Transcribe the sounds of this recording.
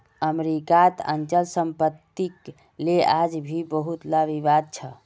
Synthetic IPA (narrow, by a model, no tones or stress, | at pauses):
əmeɾikat̪ə̰nt͡ʃəlsəmpət̪ːik | lead͡ʒbʱibəɦut̪laʋiʋad̪̚t͡ʃʰə